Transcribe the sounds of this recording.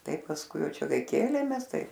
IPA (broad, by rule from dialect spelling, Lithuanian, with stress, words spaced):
ˈtɐɪp pɐsˈkʊɪ ˈjɛʊ ˈt͡ʃʲɛ ˈkɐɪ ˈkʲeːlʲeːmʲeːs ˈtɐɪ